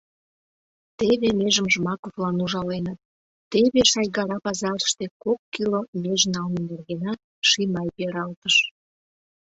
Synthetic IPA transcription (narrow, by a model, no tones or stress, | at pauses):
t̪eβemeʒəmʒəmɑkovlɑnuʒɑlenət̪̚ː | eβeʃɑjɣɑɾɑpɑzɑɾəʃt̪ekokːilomeʒnɑlnĕnerɣenɑt̪̚ | ʃimɑjpeɾɑlt̪əʃ